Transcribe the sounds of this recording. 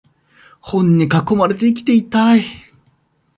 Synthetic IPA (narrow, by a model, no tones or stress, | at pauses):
hõ̞ɲ̟ːikakːo̞maɾe̞t̪̬e̞ikʲi̥t̪e̞it̪ai